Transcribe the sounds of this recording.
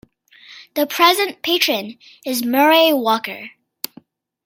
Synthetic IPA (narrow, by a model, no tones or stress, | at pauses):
ðəpʰɹ̥ɛzɨ̃npʰeɪt͡ʃɹ̥ɨ̃n | ɪzmɛɹiwɔkə̰˞